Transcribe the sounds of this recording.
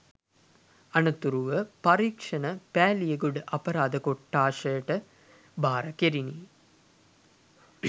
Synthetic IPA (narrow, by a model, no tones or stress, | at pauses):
ɐnət̪uɾuʋəpaɾiːkʂɐnəpæːlijeɡuɖəʔɐpɐɾaːd̪əkoʈːaːʂəjəʈə | baːɾɐkeɾini